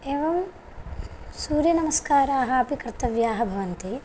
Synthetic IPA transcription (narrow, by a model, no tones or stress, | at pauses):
eːʋɐm | suːɾjɐnɐmɐskaːɾaaːɦaːpikɾt̪ɐʋjaːɦɐbʱɐʋɐnt̪i